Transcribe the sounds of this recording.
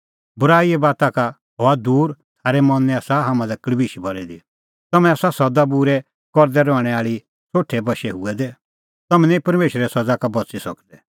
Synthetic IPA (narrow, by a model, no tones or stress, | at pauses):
bʊɾaːiɛbaːt̪aka | ɦɔːad̪uːɾt̪ʰaːɾɛmɔnːɛaːsaɦamãlɛklbiʃibɔɾɛd̪i | t̪ɐmɛ̃asasɐd̪abuɾɛ | kɔɾd̪ɛɾɔɽ̃ɛaːɭi | t͡soːʈʰːɛbɐʃɛɦʊɛd̪ɛ | t̪ɐmɛnĩpɐɾmeːʃəɾɛsɐd͡zakabɐt͡sisɐkd̪ɛ